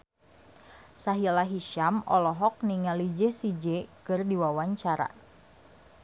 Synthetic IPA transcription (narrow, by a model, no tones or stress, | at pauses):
saɦilaɦiʃamɔ̰lɔɦɔk̚niŋalid͡ʒɛsid͡ʒɛkɨrdiwawaɲt͡ʃaɾa̰